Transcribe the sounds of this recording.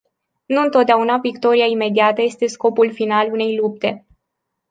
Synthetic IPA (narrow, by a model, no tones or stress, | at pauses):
nuɨnt̪o̞t̪̚d̪eaunavikt̪o̞ɾiaime̞d̪iat̪əje̞st̪e̞sko̞pulfinalune̞jlup̚t̪e̞